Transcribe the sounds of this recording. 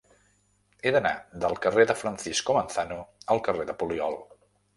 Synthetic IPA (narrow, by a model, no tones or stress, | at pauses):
eðəna̰d̪əlˠkəreðəfɾənsiskomənθanuəlˠkəreðəpuliɔlˠ